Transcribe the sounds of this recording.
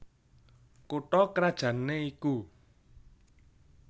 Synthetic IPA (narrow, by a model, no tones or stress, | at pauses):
koʈɔkɾad̥ʒ̥ä̤nːeiku